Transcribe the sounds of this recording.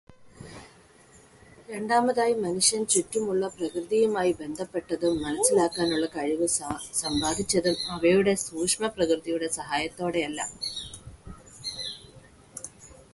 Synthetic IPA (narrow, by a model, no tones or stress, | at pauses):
ɾe̞ɳɖaːmɐðaːjimɐnuʂjɐnt͡ɕutːumuɭːɐprɐkrɨðijumaːjibe̞nd̪ʱɐpːe̞ʈːɐðumːɐnɐsːilaːkːaːnuɭːɐkɐɻiʋɨsɐmbaːd̪ʱit͡ɕːɐðumɐʋɐjuɽe̞suːkʂmɐprɐkrɨðijuɽe̞sɐɦaːjɐt̪ːo̞ːɽe̞ɐlːɐ̰